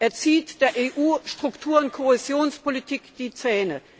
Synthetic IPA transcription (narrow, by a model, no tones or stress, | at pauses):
ʔɛːɐt͡siːtd̥eːɐʔeːʔuːʃtʁ̥ʊktʰuːɐʊntkʰoezjoːnspʰolitʰikd̥iːt͡sɛːnə